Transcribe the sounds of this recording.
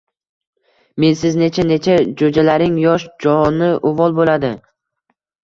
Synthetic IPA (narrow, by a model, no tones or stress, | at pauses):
me̞nsɪzne̞t͡ʃʰane̞t͡ʃʰad͡ʒod͡ʒalaɾɪŋjɒʃd͡ʒɒnɪʔʊvɒlˠbolad̪ɪ